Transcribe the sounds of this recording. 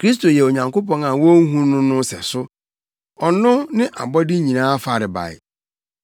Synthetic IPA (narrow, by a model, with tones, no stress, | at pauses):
kʰɾi˦s̬to˨jɛ˨o˨ɲã˨ŋko˦pɔ̃˦na˨wõ˦ŋ˦ɦũ˦nʊ̃˦nʊ̃˦sɛ̰˨sʊ˦ | ɔ˨nʊ̃˦nɪ̃˦ʔa̰˨bɔ˦dɪ˦ɲĩ˨nãː˦fa˨ɾɪ˨ba̰˨ɪ̰˨